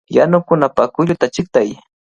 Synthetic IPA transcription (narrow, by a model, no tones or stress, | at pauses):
janʊkʊnapakʊʎʊt̪at͡ʃɪk̚t̪aj